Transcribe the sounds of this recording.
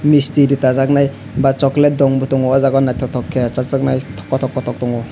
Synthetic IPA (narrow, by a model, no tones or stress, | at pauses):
mistiɾitazak̚naj | bat͡ʃɔklet̚dɔŋbutɔŋɔɔzaɡɔnajtʰɔtʰɔkʰːet͡ʃazak̚najtʰɔ̥kːɔtʰɔkːɔtʰɔk̚tɔŋɔ